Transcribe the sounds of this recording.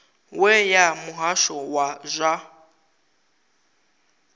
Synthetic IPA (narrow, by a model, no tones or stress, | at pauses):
wɛjamʊɦaʃɔwaʒʷa